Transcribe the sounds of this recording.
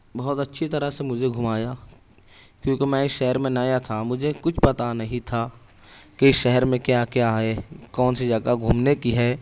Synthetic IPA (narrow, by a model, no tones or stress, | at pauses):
bɔːɔt̪ɐtːʃʰit̪ɐɾəsemʊd͡ʒʱeɡʱʊmaːja | kjõːkemɛ̃ːɪsʃɛɦɛɾmẽnaːjat̪ʰamʊd͡ʒʱekʊt͡ʃʰpɐt̪anɐɦĩt̪ʰa | keɪsʃɛɦɛɾmẽkjaːkjaɦɛːkɔːnsed͡ʒɐɡaɡʱumnekiɦɛː